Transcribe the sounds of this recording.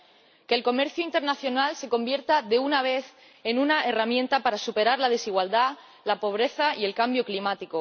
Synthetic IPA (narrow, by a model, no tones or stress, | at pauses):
ke̞ːlko̞me̞ɾθjoint̪e̞ɾnaθjo̞nalse̞ko̞mbje̞ɾt̪aðe̞unaβ̞e̞θ | e̞nunaeramjẽ̞nt̪apaɾasupe̞ɾaɾlað̞e̞siɣwald̪a | lapo̞β̞ɾe̞θaie̞lkambjoklimat̪iko